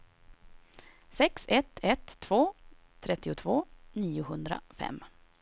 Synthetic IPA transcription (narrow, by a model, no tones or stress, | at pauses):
sɛksɛt̪ʰːɛt̪ʰːv̥oː | t̪ʰɾɛt̪ːɪʊt̪ʰvoːniːʊɦɵnd̪ɾa̰fɛ̰mː